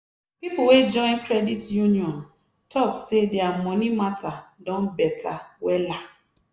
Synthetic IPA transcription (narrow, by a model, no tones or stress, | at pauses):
pipʊwed͡ʒɔ̃ɪ̃nkɾɛditjuniɔ̃n | tʰɔksedeamɔnimatʰadɔ̃nbɛtʰa̰wɛla